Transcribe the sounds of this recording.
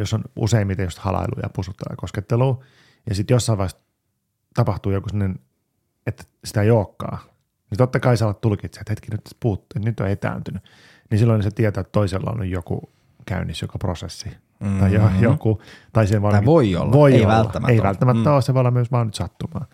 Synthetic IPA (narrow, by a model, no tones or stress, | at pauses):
josːonṵseimmit̪ejost̪hɑ̰lɑ̰ilṵjɑ̰pusut̪ːɑ̰ɑ̰kosket̪ːeluː | jɑsit̪josːɑiʋɑist | t̪ɑpɑht̪uːjokusimnːen | et̪ | si̥t̪æeioːkːɑ̰ː | nit̪ot̪ːɑkɑisɑlːɑt̪t̪ulkit̪set̪het̪kinyt̪puːt̪ːet̪nyt̪ːo̰et̪æ̰ːnt̪yny | nisilːoiniset̪iɛt̪oːet̪t̪oiselːɑ̰o̰nnyjjokṵ | kæ̰ynːisjokopro̰sesːi | t̪ɑijojokut̪ɑisieʋɑoio̰lːʋoioʋælːɑ̰ːæmeiʋælt̪ːæmæːæoːseʋolːɑmyøsʋɑːnyt̪sɑt̪ːumɑːn